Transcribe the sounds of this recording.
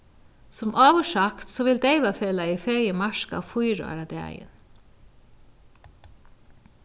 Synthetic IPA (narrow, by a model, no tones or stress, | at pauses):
sɔmʔɑːʋɔʃɑkt̪soːʋɪld̪eɪʋɑfeːlɑiːfeɾjəmɑʃkɑ̰ːfʊʏɾʊ̰ɑ̰ɾɑd̪eæ̰ɪə̰n